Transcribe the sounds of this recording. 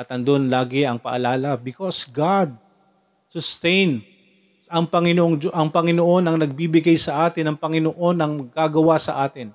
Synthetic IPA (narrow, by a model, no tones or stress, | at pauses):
ɐt̪ɐnd̪onlaːɡɪɐŋpɐ̰ʔɐ̰laːlɐbɪkosɡad̪̚ | sʊst̪ɛjn | ɐŋpɐŋɪnoʔoŋd͡ʒʔɐŋpɐŋɪnoʔo̞nɐŋnɐɡ̚bibɪɡajsɐʔaːt̪ɪnɐŋpɐŋɪnoʔo̞nɐŋmɐɡaːɡɐwasɐʔaːt̪ɪn